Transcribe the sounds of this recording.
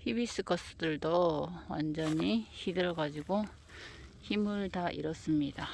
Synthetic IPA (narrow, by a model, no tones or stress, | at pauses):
hibis͈ɯkʰʌs͈ɯdɯɭdowa̰nd͡ʑʌɲiçidɯɾʌɡad͡ʑiɡo | çimɯɭtaʔḭɾʌs͈ɯmɲida